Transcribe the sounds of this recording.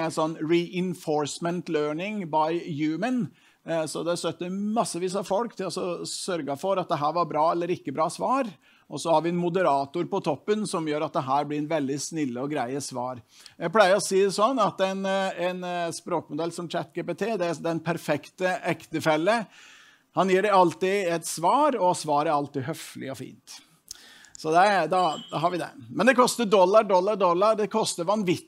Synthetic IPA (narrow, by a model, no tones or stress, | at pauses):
ɛnsɔnːɹɪʔɪnfɔɾsmɛnt̪løːɳɪŋbɑɪjʉːmən | sɔd̪ɛst̪œt̪ːəmɑsːəʋiːsɑfɔlkt̪ʰɪlɑsɔsœɾɡɑfɔɾɑt̪̚d̪ɛɦæːɾʋɑɾbɾɑːɛlːəɾɪkːəbɾɑːsʋɑːɾ | ʔɔsɔhɑɾʋɪɛnmʊd̪əɾɑːt̪ʊɾpɔt̪ʰɔpːənsɔmjøːɾɑt̪̚d̪ɛɦæːɾblɪɾɛnʋɛld̪ɪsnɪlːəɔɡɾæɪəsʋɑːɾ | jæɪplæɪəɾɔsiːd̪ɛsɔnːɑt̪æɪnæɪnspɾoːkmʊd̪ɛlːsɔmt͡ʃæt̪ːɡeːpet̪ʰeːd̪ɛd̪ɛnpʰæɾfɛkt̪əɛkt̪əfɛlːə | hɑnjiːɖɛɑlt̪ɪɛt̪sʋɑːɾɔsʋɑːɾəɾɑlt̪ɪːɦœflɪ̰ɔfḭːnt̪ | sɔd̪ɛd̪ɑd̪ɑɦɑɾʋɪd̪ɛ̰mɛnd̪ɛkʰɔst̪əd̪ɔlːɑɾɖɔlːɑɾɖɔlːɑɾd̪ɛkʰɔst̪əɾʋɑnʋɪ